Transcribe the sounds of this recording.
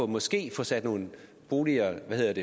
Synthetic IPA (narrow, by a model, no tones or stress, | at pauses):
ɒ̽mɒ̽sɡ̥e̝̰ːfɒ̽sæd̥no̝ːn̩ | b̥o̝ːliɐʋæhe̝ð̰ˠɐd̥e